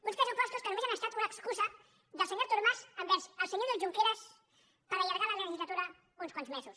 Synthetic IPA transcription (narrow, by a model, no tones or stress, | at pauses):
unspɛzupɔst̪uskənumezanəst̪at̪unəkskuzə | ðəlˠsəɲoɾt̪uɾmazəmbɛzəlˠsəɲoɾðəlˠʒuŋkeɾəs | pəɾəʎəɾɣalələʒizlət̪uɾə | unskwanzmezus